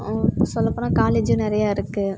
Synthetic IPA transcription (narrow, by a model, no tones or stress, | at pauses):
sɔlːɐpːoːnaːkaːleːd͡ʒʊnɪɾɐjaːɪɾɯkːɯ